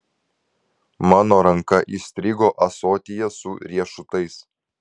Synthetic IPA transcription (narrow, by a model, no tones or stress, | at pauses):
mɑːnoːɾɐŋkɐʔiːsʲt̪ʲɾʲɪɡoːʔɐsoːt̪ʲɪjɛsʊɾʲiɛʃʊt̪ɐɪs